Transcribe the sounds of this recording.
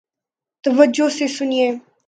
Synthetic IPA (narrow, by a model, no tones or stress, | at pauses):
t̪ɐʋəd͡ʒosesʊnieː